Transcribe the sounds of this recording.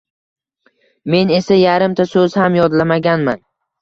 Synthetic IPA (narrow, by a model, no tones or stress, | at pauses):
me̞ne̞sajaɾɪmt̪ʰasɵzhamjɒd̪lamaɡʲanman